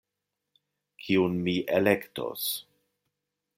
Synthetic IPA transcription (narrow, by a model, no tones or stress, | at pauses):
kʰiunmiʔelekto̰s